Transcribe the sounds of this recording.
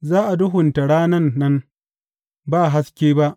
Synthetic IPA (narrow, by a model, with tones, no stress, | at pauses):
zaː˦ʔa˨dʊ˦ɦʊ˨nta˨ɽaː˦nɐ˦nːɐ˦n | baː˦˨ɦa˦skʲeː˦ba˦ʔ